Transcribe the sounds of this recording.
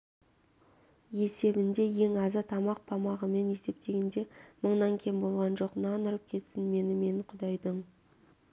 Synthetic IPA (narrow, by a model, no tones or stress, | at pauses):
je̞se̞bɪnd̪e̞je̞ŋɑzət̪ʰɑmɑq̚pʰɑmɑʁəme̞ne̞st̪e̞p̚t̪e̞ɡʲe̞nd̪e̞məɴnɑŋkʲʰembo̞lˠʁɑnʒo̞qnɑnəɾəp̚kʲʰe̞t̪sɪnme̞nɪme̞ɴqʰʊd̪ɑjd̪əɴ